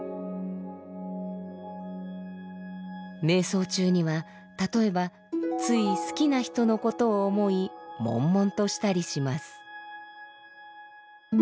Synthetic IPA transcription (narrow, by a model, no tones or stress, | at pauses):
me̞ːso̞ːt͡ɕɨːɲ̟iβa | t̪at̪o̞e̞ba | t͡sɨisɨ̥kʲinaçi̥t̪o̞no̞ko̞t̪o̞ːmo̞imõ̞̰mːõ̞nt̪o̞ɕi̥t̪aɾʲiɕimasɨ̥